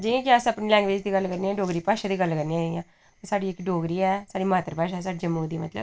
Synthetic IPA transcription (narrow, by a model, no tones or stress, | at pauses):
d͡ʒiãːkɪãːsəpniːlɛ̃ːŋɡʋeːd͡ʒd̪iːɡəlkəɾniːãːɖoːɡɾiːpaːʃaːd̪iːɡəlkəɾniãːd͡ʒeijãː | t̪ːsaːɖiːɪkɖoːɡɾiːɛːsaːɖiːmaːt̪əɾpaːʃaɛːsaːɖiːd͡ʒəmːəːd̪iːmət̪lə̰b